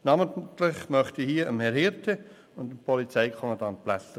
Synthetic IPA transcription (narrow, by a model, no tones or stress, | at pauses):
nɑmətlɪχmœχtihiəəmhɛɾhɪɾtʰə | ʊndəmpʰɔlit͡sɛɪkʰɔmɑdɑnplæsə